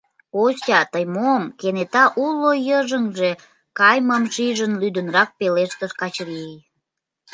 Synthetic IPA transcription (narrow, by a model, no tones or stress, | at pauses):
osʲɑt̪əjmomkenet̪ɑʔulojəʒəŋʒe̽ | kɑjməmʃiʒənlyd̪ənrɑk̚peleʃt̪əʃkɑt͡ɕɾiej